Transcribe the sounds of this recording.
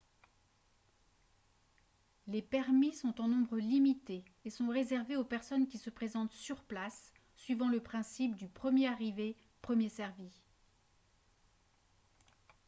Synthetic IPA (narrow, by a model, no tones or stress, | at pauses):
lepɛʁmisɔ̃t̪ɑ̃nɔ̃bʁəlimit̪eː | sɔ̃ʁezɛʁveopɛʁsɔnkʲisəpχezɑ̃t̪syʁplasː | ɥivɑ̃ləpχɛ̃sip̚d̪ypχəmjeaʁive | pχəmjesɛʁvi